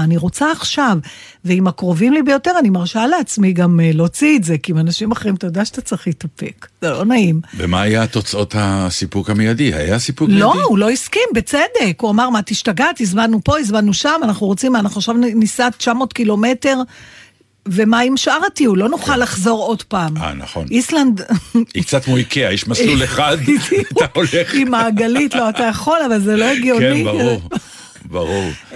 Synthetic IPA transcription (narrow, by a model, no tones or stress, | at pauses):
aniʁo̞t͡saːχʃav | veimakʁo̞vimlibejo̞te̞ʁanimaʁʃaleat͡smiɡamlo̞t͡siːtze̞kiimanaʃimaχeʁimt̪ajod̪eaʃat̪at͡sʁeχlit̪ape̞kz̥elo̞naimvḛmaːjat̪o̞t͡so̞t̪hasipukhamejadiha̰jasipulo̞ulo̞iskimbe̞t͡sede̞kuamaʁmat̪iʃtaɡat̪izmanːupo̞izmanːuʃamanaχnuʁot͡simanaχuaʃavnisatt͡ʃamo̞tkilo̞me̞te̞ʁ | ve̞maimʃʔaʁtiulo̞nuχalːaχzo̞ʁo̞dpaːma̰na̰χo̰nisland̪ikt͡sat̪mojkʰeaiʃmasluleχad̪daaoleχimaːɡalitlo̞at̪ajaχo̞lavalzelo̞eɡjoniaʁuʁ | baʁuʁ